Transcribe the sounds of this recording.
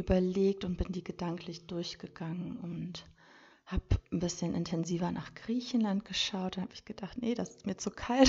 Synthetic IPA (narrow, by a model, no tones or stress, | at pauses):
ʔyːbɐleːk̚tʊnt̚b̥ɪndiːɡədaŋklɪçd̥ʊɐçɡ̥əɡ̥aŋənʊnt | haːpn̩bɪsçənʔɪ̰ntʰɛnziːvɐnaːχɡ̥ʁiːçn̩lant̚ɡ̥əʃaʊt̚dʊanhaːbɪçɡ̥əd̥aχtnəd̥asɪstmiːɐt͡sukʰalt